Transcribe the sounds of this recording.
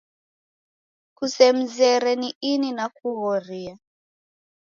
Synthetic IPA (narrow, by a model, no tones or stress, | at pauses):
kusɛm̩zɛɾɛniininakuɣɔɾia